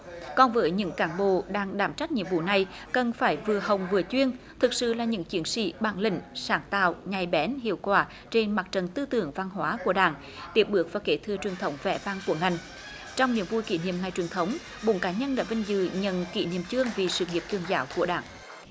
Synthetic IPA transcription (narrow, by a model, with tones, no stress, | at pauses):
kɔ˨˩nvəː˨˦jɲɨ̰˧˥ŋkaː˧˩nɓo̰˧˨ɗaː˧ŋɗaː˧˩mt͡ɕa˦˥k̚ɲḭ˧˨əmvṵ˧˨na˨˩j | kə˨˩nfaː˧˩jvɨ˨˩əɦə˨˩wŋ͡mvɨ˨˩ət͡ɕwi˧ən | t̪ʰɨ˨˩k̚sɨ̰˧˨laː˨˩ɲɨ̰˧˥ŋt͡ɕi˨˦ənsḭ˧˥ɓa̰ː˧˩nlï˧˩ŋ̟saː˨˩ŋt̪a̰ː˧˨wɲa˨˩jɓɛ˨˦nɦḭ˧˨əwkwaː˧˩ | t͡ɕe˧nma˨˩k̚t͡ɕə˨˩nt̪ɨ˧t̪ɨ̰˧˨əŋva˧nɦwaː˨˦ku˧˩əɗaː˧˩ŋ | t̪i˨˦˥əp̚ɓɨ˨˦˩ək̚vaː˨˩ke˧˩t̪ʰɨ˧ət͡ɕwi˨˩əŋt̪ʰə˨˦wŋ͡mvɛ̰˧˩vaː˧ŋku˧˩əŋa˨˩jŋ̟ | t͡ɕɔ˧wŋ͡mnḭ˧˩˨əmvu˧jkḭ˧˩˦nḭ˧˨əmŋa˨˩jt͡ɕwi˨˩ənt̪ʰə˨˦wŋ͡m | ɓo̰˧˦nkaː˨˦ɲə˧nɗa̰ː˧˥vï˧˩ŋ̟zɨ̰˧˨˩ɲə̰˧˨nkḭ˧˩nḭ˧˨əmt͡ɕɨ˧əŋvi˨˩sɨ̰˧˨ŋi˨˩əp̚t͡ɕ̪ɨ˧˩əŋzaː˨˦wku˧˩əɗa̰ː˧˩ŋ